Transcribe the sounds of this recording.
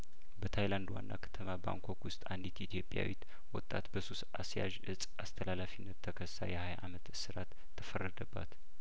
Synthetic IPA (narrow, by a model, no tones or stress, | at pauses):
bət̪ʰajland̪wa̰nːa̰kʰə̥t̪ʰəmaba̰ŋkʰo̞kwʊst̪ʼand̪it̪it̪ʰjo̞pʼja̰wit̪ | wɔt̪ʼat̪bəsusasja̰ʒɨsʼast̪ʰəlalafinːət̪ʰːəkʰəsːa̰jɛhajʔamət̪sɨɾat̪ʰːəfərːəd̪əbːat̪